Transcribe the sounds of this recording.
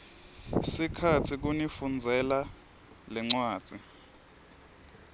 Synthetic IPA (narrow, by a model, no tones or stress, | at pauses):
sikʰatʰik̬unifund͡zʱɛla | lɛŋ͡ǀwḁːd͡z̥ʱi